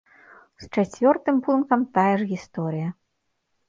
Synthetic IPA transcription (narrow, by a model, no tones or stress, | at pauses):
st͡ʂat͡sʲvʲɔrt̪ɨmpunkɐmt̪ajɐʐɣʲist̪ɔɾɨjɐ